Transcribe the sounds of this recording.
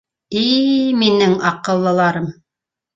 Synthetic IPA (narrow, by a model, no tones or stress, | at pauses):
iminɘŋɑqɤ̆lˠːɤ̆lˠɑɾɤm